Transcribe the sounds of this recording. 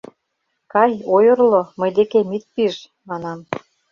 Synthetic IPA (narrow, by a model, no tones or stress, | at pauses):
kɑjojɤ̆rlŏmɤ̆jd̪ekemit̪̚piʒ | mɑnɑm